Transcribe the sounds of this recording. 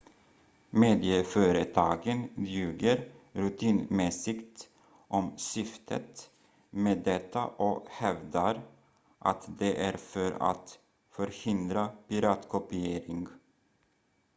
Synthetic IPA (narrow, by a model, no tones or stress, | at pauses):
meːd̪ɪəfœːɾət̪ʰɑːɡənd̪jʉ̟ːɡəɾɾʉt̪ʰiːnmɛsɪkt̪ | ʔɔmsʏft̪ʰə̰t̪ | meːd̪ɛt̪ʰːa̰ʔɔhɛvd̪aɾ | ʔa̰t̪d̪ɛʔæɾfœɾa̰t̪ | fœɾhɪnd̪ɾapɪɾɑːt̪kʰɔpɪeːɾɪŋɡ